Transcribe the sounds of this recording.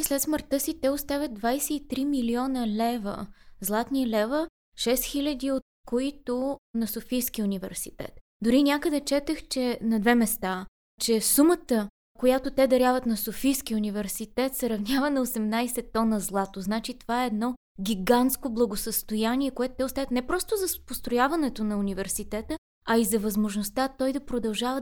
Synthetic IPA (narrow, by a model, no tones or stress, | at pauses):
slɛt̪sməɾt̪ɤsit̪ɛost̪avʲət̪̚d̪vajsɛit̪ɾimiliɔnəlɛvə̰zlˠat̪nilɛvə | ʃɛsxilʲɐd̪iot̪̚koit̪ʊnɐsofijskiunʲivɛ̰ɾsit̪ɛ̰t̪ | d̪ʊɾinʲakəd̪ɛt͡ʃɛt̪əxt͡ʃɛnɐd̪vɛmɛst̪a | t͡ʃɛsumət̪ə | kojat̪ʊt̪ɛd̪ɐɾʲjavət̪nɐsofijsk̟iunivɛɾsit̪ɛt̪sɛɾɐvnʲjavənɐosɛmnajsɛt̪ːɔnəzlˠat̪oznat͡ʃit̪ovaɛːd̪nɔ | ɡʲiɡant̪skoblˠɐɡosəst̪ojaniɛkoɛt̪ʊ̥t̪ɛʊst̪avʲət̪nɛpɾɔst̪ʊzɐspost̪ɾojavɐnɛt̪onɐunʲivɛɾsit̪ɛt̪ə | ɐizɐvɐzmoʒnost̪at̪ɔjd̪ɐpɾod̪ɐlˠʒavə